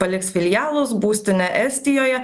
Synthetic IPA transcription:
pɐlʲɪksfʲɪlʲɪjæːlˠʊsbuːsʲt̪ʲɪnʲɛʔɛsʲt̪ʲɪjoːjɛ

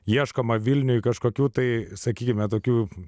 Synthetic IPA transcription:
jiɛʃkɐmɐʋʲɪlʲnʲʊkɐʃkoːkʲuːt̪ɐɪsɐkʲiːkʲɪmʲɛt̪oːkʲuː

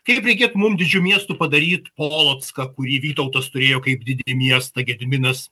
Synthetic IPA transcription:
kɐɪpɾʲɛɪkʲeːt̪mʊmd̪ʲɪd͡ʒʲumʲiɛst̪upɐd̪ɐɾʲiːt̪poːlˠoːt̪skɐkʊɾʲiːʋʲiːt̪ɐʊt̪ɐst̪ʊɾʲeːjoːkɐɪp̚d̪ʲɪd̪ʲɛlʲɪmʲiɛst̪ɐɡʲɛd̪ʲɪmʲɪnɐs

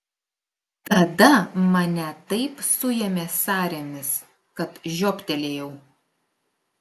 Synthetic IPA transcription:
t̪ɐd̪ɐmɐnʲɛt̪ɐɪpsʊjɛmʲeːsɑːɾʲemʲɪs | kɐt̪ʒʲoːpʲt̪ʲɛlʲeːjɛʊ

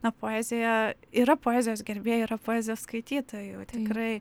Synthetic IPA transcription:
nɐpoːɛzʲɪjɛiɾɐpoːɛːzʲɪjoːsɡʲɛɾʲbʲeːjoiːɾɐpoːɛːzʲɪjoskɐɪt̪ʲiːt̪oːjut̪ʲɪkɾɐɪ

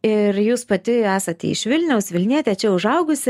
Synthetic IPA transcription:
ɪɾjuːspɐt̪ʲɪæːsɐt̪ʲːɪ̰ʃʲʋʲɪlʲnʲɛʊsʋʲɪlʲnʲiɛt̪ʲɛt͡ʃʲɛʊʒɐʊɡʊsʲɪ

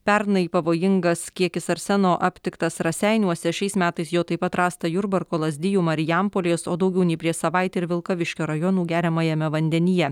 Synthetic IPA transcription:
pʲɛɾnɐipɐʋoːjɪŋɡɐskʲiɛkʲɪsɐɾʲsʲɛnoːʔɐpʲt̪ʲɪkt̪ɐsɾɐsʲɛɪnʲuɔsʲɛʃʲɛɪsmʲæːt̪ɐɪsjoːt̪ɐɪpɐt̪ɾɑːst̪ɐjʊɾbɐɾkoːlˠɐzʲd̪ʲɪjuːmɐɾʲɪjæmpoːlʲɛːsoːd̪ɒʊɡʲɛʊnʲɛɪpʲɾʲiɛsɐʋɐɪt̪ʲeɪɾʋʲɪlˠkɐʋʲɪʃʲkʲoːɾɐjɔnuːɡʲæːɾʲɪmɐjɛmʲɛʋɐnʲd̪ʲɛnʲɪjɛ

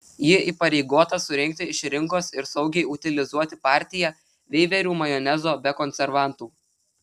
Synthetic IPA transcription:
jɪʔiːˑpɐɾʲɛɪɡoːt̪ɐsʊɾʲɪŋʲk̚ʲt̪ʲɪɪʃɾʲɪŋkoːsɪɾsɒʊɡʲɛɪʊt̪ʲɪlʲɪzuɔt̪ʲɪpɑˑɾʲt̪ʲɪjɛ | ʋʲɛɪʋʲɛɾʲuːmɐjɔːnʲɛzoːbʲɛkɔnʲsʲɛɾʋɑˑnt̪uː

